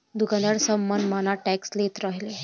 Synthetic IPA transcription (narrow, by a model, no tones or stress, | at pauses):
d̪uɡanəɽsəmːənd̪manaʈɛkslet̪ɾaɦile